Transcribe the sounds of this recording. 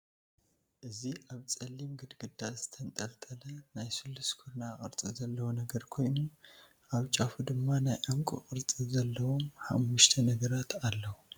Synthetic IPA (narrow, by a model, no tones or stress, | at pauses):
ʔɨziʔaβt͡sʼɐlːimɡɨd̪ɡɨd̪azɨt̪ʰɐnt̪ʼɐlt̪ʼɐlɐnajsɨlːuskʰuɾnaχʼɨ̰ɾt͡sʼizɐlːɐwunɐɡɐɾkʰo̞jnu | ʔaβt͡ʃʼafud̪ɨmːanajʔɨŋkʼṵkʼɨɾt͡sʼizɐlːɐwo̞mħa̰mːuʃt̪ʰɐnɐɡɐɾat̪ʰalːɐwu